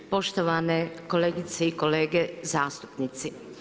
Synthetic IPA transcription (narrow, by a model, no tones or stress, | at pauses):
po̞ʃt̪oʋanekoleːɡit̪seiko̞leːɡezaːst̪u̥pnit̪si